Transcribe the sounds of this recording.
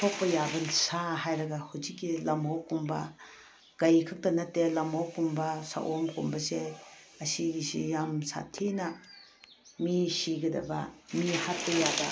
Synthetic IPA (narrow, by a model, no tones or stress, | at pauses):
tʰok̚pɐjabɐsaɦajɾɐɡahud͡ʒikːilɐmowkumbɐ̰ | ɡ̥ɐjkʰak̚tɐnɐtːelɐmawkumbɐsa̰ʔomkʰumbɐse | ɐsiɡisḭjamsa̰tʰenɐ | misiɡɐdɐ̰bɐ̰mihat̚pɐjabɐ